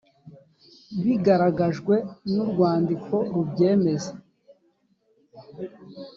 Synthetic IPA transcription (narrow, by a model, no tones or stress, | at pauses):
βiɡaɾaɡaʒɡwe̞nuɾɡwaːndikʰo̞ɾubɟe̞ːme̞ze